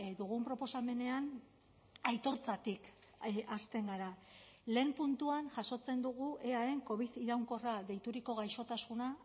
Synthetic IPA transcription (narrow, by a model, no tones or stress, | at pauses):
d̪uɣ̞umpɾo̞po̞same̞ne̞an | ajt̪o̞ɾt͡sat̪ik | ʔast̪e̞ŋɡaɾale̞ːmpunt̪uanʝaso̞t͡se̞nd̪uɣuʔe̞ae̞ŋko̞βiðiɾawŋko̞raðe̞jt̪uɾiko̞ɣajʃo̞t̪asuna